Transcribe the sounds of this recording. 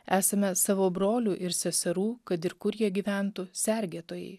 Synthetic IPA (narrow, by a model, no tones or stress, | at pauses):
æːsɐmʲɛsɑːʋoːbɾoːlʲuːʔɪɾsʲɛsʲɛɾuːkɐt̪ɪɾkʊɾjiɛɡʲiːʋʲæˑnt̪ʊsʲɛɾʲɡʲeːt̪oːjɛ̰ɪ